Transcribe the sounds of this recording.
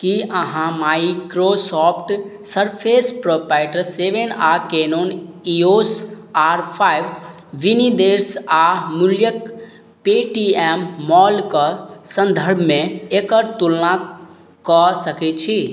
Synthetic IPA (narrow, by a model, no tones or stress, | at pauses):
kiəɦãmaikɾosɔpʰʈsəɾpʰespɾopaɪʈəɾseʋenakenonios | aɾpʰajb | ʋinid̪eɾsamuljək | peʈiɛmːɔlkɔsə̃nd̪ʱəɾbʱmẽekəɾt̪ulna | kɔsəkɛt͡ʃʰi